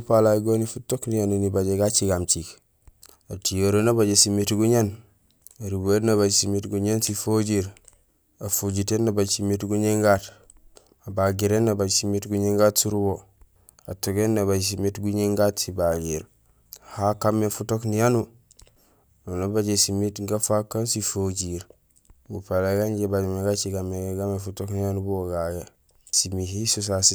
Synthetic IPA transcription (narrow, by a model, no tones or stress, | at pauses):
palaɡonifutoknijanunibaɟeɡat͡ʃiɡamt͡ʃik | atijoɾonabaɟesimitɡuɲan | aɾibenaβaɟsimitɡuɲansifoɟiɾ | afoɟitenːabasimitɡuɲeŋɡat | abaɡiɾenːabaɟsimitɡuɲeŋɡatsuɾubo | a̰toɡenːaβad͡ʒs̬imetɡuɲeŋɡatsibaɡiɾ | hakamːefutoknijanu | onabaɟesimitɡafakːansifoɟiɾ | ɡupalaɡaɲɟebameɡat͡ʃiɡamːeɡeɡamefutoknijanubuwoɡaɡe | simihisus̬asi